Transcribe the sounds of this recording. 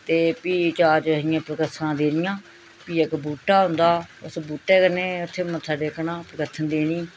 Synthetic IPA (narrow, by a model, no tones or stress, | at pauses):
t̪eːpiːt͡ʃaːt͡ʃəɦɪjãːpɾəkət̪ʰːnãːd̪eːɾɪjãː | piːəkbuːʈaːɦʊ̃nd̪aːʊsbuːʈːɛːkəɾneːʊt̪ʰːeːmə̃sʰaːɖeːknãːpɾəkət̪ʰːənd̪eːniː